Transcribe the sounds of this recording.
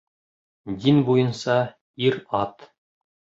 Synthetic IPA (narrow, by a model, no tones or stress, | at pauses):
d̪inbujɤ̆nsɑ | iɾɑt̪